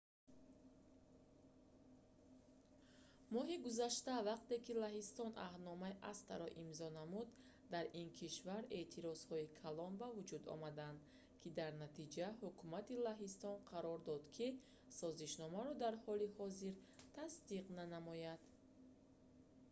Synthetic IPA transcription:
mɔɦiɡuzaʃt̪avaq̚t̪e̞kilaɦist̪ɔnʔa̰hd̪nɔmaiʔast̪aɾɔʔimzɔnamud̪ː | aɾinkʰiʃvaɾe̞t̪ʰiɾɔz̥hɔikʰalɔnbavud͡ʒud̪ɔ̰mad̪and̪ | kʰid̪aɾnat̪ʰid͡ʒaɦukʰumat̪ilaɦist̪ɔnqʰaɾɔɾd̪ɔd̪kʰi | sɔziʃnɔmaɾɔd̪aɾhɔlihɔziɾt̪ʰasd̪iqnanamɔjad̪̥

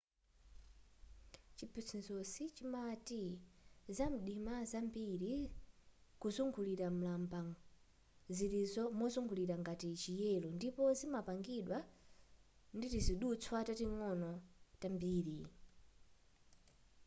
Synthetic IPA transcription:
t͡ʃipit͡sʰinzɔsit͡ʃimatizam̩ɗimazambiɾi | kuzuŋɡuliɾam̩lamba | ziɾizɔmɔzuŋɡuliɾaŋɡatit͡ʃijɛlɔndipɔzimapaŋɡiɗwa | nditiziɗut͡sʰwatatiŋɔnɔtambiːɾi

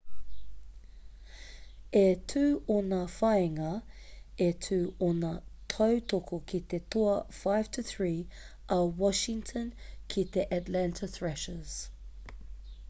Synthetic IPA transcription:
ɛtʰʉːɔnəfaɪɪŋə | ɛtʰʉːɔnətʰəwtʰokʰokʰit̪et̪ʰoɐfaɪv̥tʰəθɹiː | ʔɐwɔʃɪŋtʰənkʰit̪eʔatlæ̃ntʰəθɹɛʃəz̥

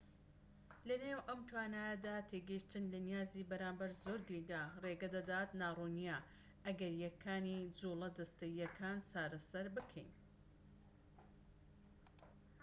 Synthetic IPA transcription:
lɐneːwʔɐmt̪ʰwaːnaːjɐd̪aːt̪ʰeɡɐiʃt̪ɨnlɐnijaːziːbɐɾaːmbɐɾzoɾɡɾid̪areːɡɐd̪ɐd̪aːt̪naːrunija | ʔɐɡɐɾjɛkʰːaːnid͡ʒuːlˠɐd̪ɐst̪ɐjːɐkʰaːnt͡ʃaːɾɐsɐɾbɨkʰɛjn

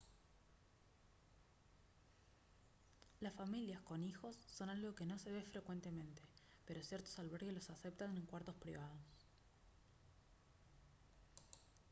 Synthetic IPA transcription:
lasfamiljasko̞nixo̞sːo̞nalɣo̞ke̞no̞se̞β̞efɾe̞kwe̞nt̪e̞mẽ̞nt̪e̞̥ | peɾo̞sjeɾt̪o̥salβeɾɣelo̞sasep̚t̪aneŋkwaɾt̪o̞spɾḭβ̞að̞os

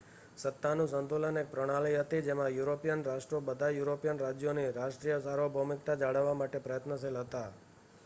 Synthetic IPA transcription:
sət̪ːanũsənt̪ulənek̚pɾəɽ̃aliɦət̪id͡ʒemãjuɾopijənɾaʃʈɾobəd̪ʱajuɾopijənɾad͡ʒjoniɾaʃʈɾijəsaɾobʱəmɪk̚t̪ad͡ʒaɽəʋːamaʈepɾəjət̪nəselɦət̪a

